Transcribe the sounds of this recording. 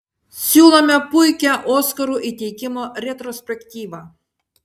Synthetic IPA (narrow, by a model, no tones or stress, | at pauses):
sʲulˠɐmʲɛpujkʲɛʔoskɐɾuʔit̪ʲejkʲimorʲet̪rosʲpʲekt̪ʲiʋa